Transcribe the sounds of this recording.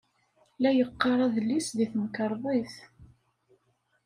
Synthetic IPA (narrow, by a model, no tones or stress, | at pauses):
læjəqːɑɾˤɑðəlːisðiθməkəɾˤðˤiθ